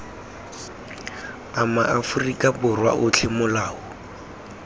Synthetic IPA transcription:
amaʔafʊrikʼabʊrwa̰ʔʊt͡ɬʰɪmʊlaːʊ

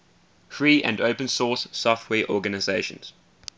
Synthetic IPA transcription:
fɹiːʔə̰̃ndoʊpə̃nsɔːˑsːɔftʰwɛːʔɔːɡənaɪzeɪʃə̰̃nz̥

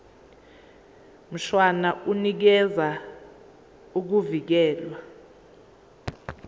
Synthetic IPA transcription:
m̩ʃwanaʔunik̬ɛza | uk̬uvik̬ɛːlwa

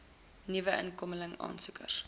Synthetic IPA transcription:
nivəʔə̰nkɔmələŋɑ̰ːnsukə̰r

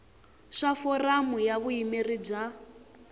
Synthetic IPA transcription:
ʂafɔramujaβuimirib͡ʐa

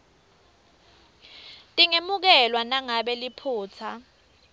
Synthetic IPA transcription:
tʼiŋemuk̬ɛlwanaŋaɓɛlipʰuːt͡sʰa

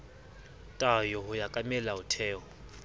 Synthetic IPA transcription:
tʼajɔɦʊjakʼamɛlaʊtʰɛːɔ

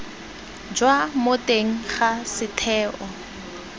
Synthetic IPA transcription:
d͡ʒwamʊtʼeŋ̩χasɪtʰɛːʔɔ

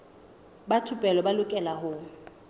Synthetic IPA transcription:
batʰʊpʼɛlɔbalʊkʼɛlaɦʊ

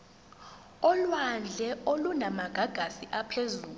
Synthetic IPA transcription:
ɔlwand͡ɮʱɛolunamaɡ̥ʱaɡ̥ʱasiʔapʰezuːlu

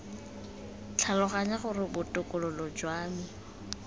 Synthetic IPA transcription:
t͡ɬʰalɔχaɲaχʊrɪbʊtʼʊkʼʊlɔlʊd͡ʒwaːmi

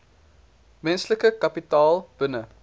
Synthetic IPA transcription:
mɛnsləkəkɐpitɑːlˠb̥ənə

